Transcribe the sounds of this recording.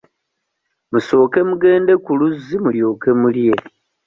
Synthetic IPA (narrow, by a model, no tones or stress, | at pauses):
muso̞ːke̞muɡe̞ːnde̞kuluzimuljo̞ːke̞mulje̞